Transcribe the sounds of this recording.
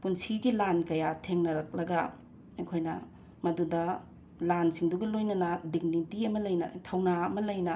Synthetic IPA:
punsiɡilankɐjatʰeŋnɐɾɐk̚lɐɡɐ | ɐjkʰojnɐ̰ | mɐdudɐ | lansiŋduɡɐlojnɐnɐdiɡnitiɐmɐlɐjnɐ̰tʰɐwnaɐmɐlɐjnɐ

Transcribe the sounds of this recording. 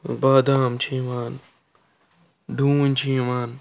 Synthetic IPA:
baːd̪aːmt͡ʃʰĩːʋaːn | ɖʱũːnt͡ʃʰĩːmaːn

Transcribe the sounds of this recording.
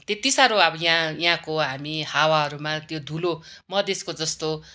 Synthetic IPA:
t̪et̪isaɾoʌbʌjãjɦãkoɦamihawaɦʌɾumãt̪jod̪ʱulo | mʌd̪eskod͡zʌst̪o

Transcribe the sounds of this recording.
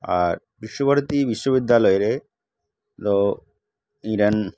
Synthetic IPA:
a̰ɾ | bɾiʃːobʱaɾt̪ibiʃːobid̪ːalɔjeɾe | t̪o | iɾan

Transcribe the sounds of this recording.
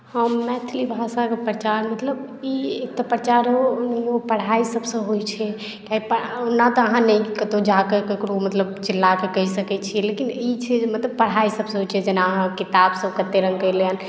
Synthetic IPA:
əmɛt̪ʰlibʱasakepɾət͡ʃaɾmət̪ləb | iek̚t̪apəɾt͡ʃaɾonopəɽ̤aisəbsə̃ɦojt͡ʃʰɛ | kjaɦipəonːat̪ɔəɦãnəĩkət̪od͡ʒakekekɾomət̪ləb̚t͡ʃilːakekəisəkɛt͡ʃʰilekinit͡ʃʰɛd͡ʒmət̪ləb̚pəɽ̤aisəbsɦot͡ʃʰɛd͡ʒenaəɦãkit̪absəbkət̪ːeɾə̃ŋɡkəileən

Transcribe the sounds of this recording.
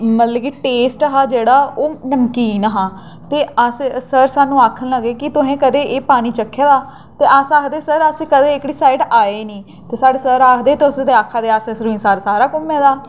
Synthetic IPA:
mət̪ləbiːʈeːsʈəɦaːd͡ʒeːɽaːoːnəmkiːnəɦãː | t̪eːəssəɾsaːnːũːaːkʰənləɡeːkɪt̪ʊɦẽːkəd̪eːʔeːpaːñiːt͡ʃəkʰːeːd̪aː | t̪eːʔasaːkd̪eːsəɾəsĩːkəd̪eːɪkɽiːsaːɪɖaːeːnĩː | t̪eːsaːɖeːsəɾaːkd̪eːt̪sd̪eaːkʰːaːd̪eːaːsẽːsɾuĩsaːɾsaːɾaːkʊmeːd̪aː

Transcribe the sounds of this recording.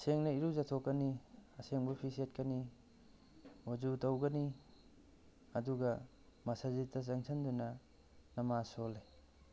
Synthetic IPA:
ɐseŋnɐiɾuzatʰokːɐniɐseŋbɐpʰiset̚kɐni | wad͡ʒutɐwɡɐni | ɐduɡɐ | mɐsazitːɐzɐŋsʰɐndunɐ | nɐmasole

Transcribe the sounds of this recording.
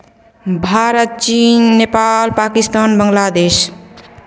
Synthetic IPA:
bʱaɾət̪̚t͡ʃinːepalpakist̪anbəŋɡlad̪eːs

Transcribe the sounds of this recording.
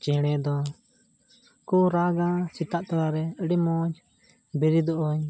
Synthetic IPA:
t͡ʃɛɽ̃ɛd̪ɔ | kuɾaɡasit̪aʔt̪ɔɾaɾɛəɖimɔd͡ʒ | biɾid̪ɔʔɔɲ

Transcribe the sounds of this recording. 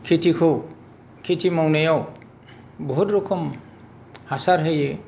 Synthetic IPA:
kʰitʰikʰow | kʰitʰimɔwnejɔw | bɔɦut̪ɾokʰɔm | hasaɾɦeje

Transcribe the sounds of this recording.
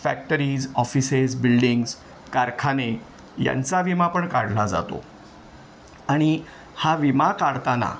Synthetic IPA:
fæk̚ʈəɾiːd͡zɔfisezbilɖiŋɡz | kaɾkʰane | ja̰nt͡saʋimapəɳkaɽ̤lad͡za̰t̪o̰ | aɽ̃i | haʋimakaɾt̪ana̰

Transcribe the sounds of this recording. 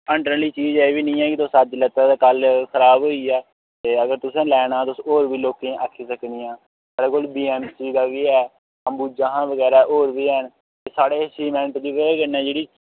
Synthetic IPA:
əɳɖəliːt͡ʃiːd͡ʒeːʋiːnĩːɛːkɪt̪oːsəd͡ʒlət̪aːd̪aːkəlkʰəɾaːbɦoːiːɛː | t̪eːəɡəɾt̪ʊsẽːlɛːɽãːt̪oʊsoːɾʋiːloːkẽːʔaːkʰiːsəkniːãː | saːɽeːkoːlbiːɛːmsiːd̪aːʋiːɛː | əmbuːd͡ʒaːɦãːʋəɡɛːɾaːʔoːɾʋiːən | t̪eːsaːɽeːsiːmɛ̃ːɳʈd͡ʒiːʋəeːɡənɛ̃ːd͡ʒeːɽiː

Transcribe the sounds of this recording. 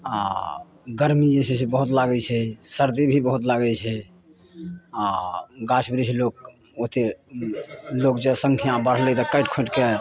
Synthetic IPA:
a | ɡəɾmid͡ʒesesʰebəɦut̪laɡɛt͡ʃʰɛsəɾd̪ibʱibəɦut̪laɡɛt͡ʃʰɛ | aɡat͡ʃʰbɾit͡ʃʰɛlok̚ | ot̪e | lokd͡ʒesəŋkʰijãbəɾɦlɛt̪ɔkəɪʈkʰoʈke

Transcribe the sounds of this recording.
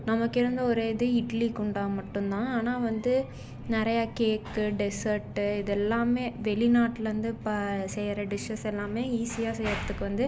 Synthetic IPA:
nɐmɐkːɪɾɯnd̪ɐɔɾeːɪðɯɪʈlikʊɳɖaːmɐʈːɯnt̪ãːaːnaːʋɐnd̪ɯ | nɪɾɐjaːkeːkːɯɖɛsɐɾʈːɯɪðɛlːaːmeːʋɛlɪnaːʈːɪlɾɯnd̪ɯpɐsɛjɾɐɖɪʂɐsɛlːaːmeːiːsɪjaːsɛjɾɐðːɯkːɯʋɐnd̪ɯ

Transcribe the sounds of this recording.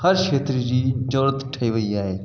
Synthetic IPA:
hɐɾkeːt̪ɾid͡ʑiːd͡ʒoːɾət̪ʈʰɐiʋɐiaːɦeː

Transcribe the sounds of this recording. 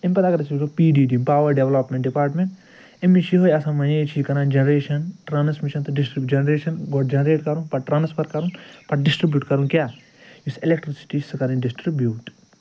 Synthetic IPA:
impɐt̪aɡɐɾt͡ʃʰːsopiːɖiːdimpaːʋɐɾɖeʋlɐpmẽɳʈɖipaːɾʈmẽɳʈ | imːit͡ʃʰiɦojɐsãːmɐnet͡ʃʰikɐɾãːnd͡ʒɐnɾeːʃɐnʈɾaːnsmiʃɐnt̪ɐɖisʈɾibd͡ʒɐnɾeːʃɐnɡoʈd͡ʒɐnɾeːʈkɐɾũnpɐʈ̚ʈɾaːnspɐɾkɐɾũnpɐʈ̚ɖɪsʈɾibjuːʈkɐɾũnkjaː | jusilek̚ʈɾisi̥ʈisɨkɐɾĩnɖisʈɾibjuːʈ

